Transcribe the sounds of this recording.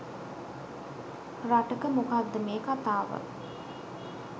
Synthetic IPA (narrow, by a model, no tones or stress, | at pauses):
raʈəkəmukad̪ːəmeːkat̪aːʋə̰